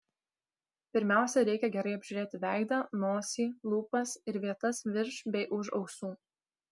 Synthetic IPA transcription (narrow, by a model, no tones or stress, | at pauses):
pʲɪɾʲmʲæˑʊsʲɛɾʲɛɪkʲɛɡʲɛɾɐɪɐbʲʒʲʊɾʲeːt̪ʲɪʋʲæˑɪd̪ɑːnoːsʲiːlˠuːpɐsɪɾʋʲiɛt̪ɐsʋʲɪɾʃbʲɛɪʔʊʃɒʊksuː